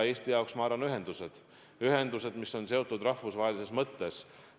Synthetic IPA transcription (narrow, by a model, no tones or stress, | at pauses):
eːst̪ijɑoksmɑːɾɑnːyɦe̞nd̪̥use̞d̪̥ | yɦe̞nd̪use̞d̪miso̞nse̞o̞t̪ːˑud̪rɑhvusvɑːɦelisesmɤt̪ːe̞s